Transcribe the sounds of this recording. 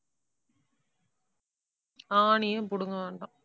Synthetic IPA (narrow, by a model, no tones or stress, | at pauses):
aːɳɪjepʊɽʊŋɡɐʋeːɳɖo